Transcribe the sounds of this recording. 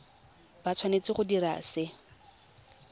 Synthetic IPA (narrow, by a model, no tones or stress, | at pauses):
bat͡sʰwanet͡sɪχʊdiɾa̰sɪ